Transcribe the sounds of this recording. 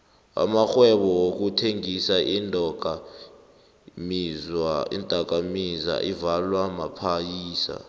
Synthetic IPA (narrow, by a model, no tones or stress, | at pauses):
a̰maxwɛɓɔwok̬utʰeŋisaʔindʼɔka | mizḭntʼak̬ʼamiza̰ʔivalwamapʰajiːsa̰